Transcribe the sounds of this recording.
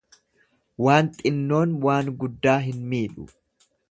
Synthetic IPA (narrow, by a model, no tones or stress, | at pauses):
waːnt̪ʼɪnːo̞ːnwaːŋɡʊd̪ːaːɦɪnmiːᶑʊ̰